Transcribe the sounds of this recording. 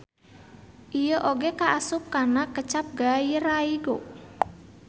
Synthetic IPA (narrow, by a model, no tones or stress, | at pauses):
ʔijoʔoɡekaʔasʊp̚karnakət͡ʃap̚ɡajiraiɡo